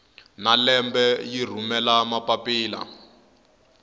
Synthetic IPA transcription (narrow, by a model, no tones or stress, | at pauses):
nalɛmbɛjir̤umɛlamapapiːla̰